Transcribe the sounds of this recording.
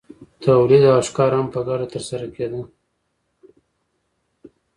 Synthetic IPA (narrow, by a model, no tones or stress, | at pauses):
t̪ʰawlid̪ɑʃkɑɾampəɡɑɖat̪əɾsaɾaked̪ə